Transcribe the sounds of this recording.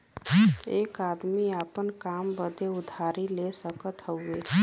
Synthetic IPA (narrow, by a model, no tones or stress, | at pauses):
eːkaːd̪miapənkaːmbəd̪eʊd̪ʱaːɾilesəkət̪ɦəʊe